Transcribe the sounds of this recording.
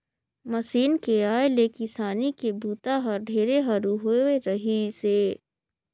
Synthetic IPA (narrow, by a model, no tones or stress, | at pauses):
mɐsiːnkeaːeleːkɪsaːnikebʱuːt̪aɦɐɾɖʱeːɾeɦɐɾuɦoeɾɐɦiseː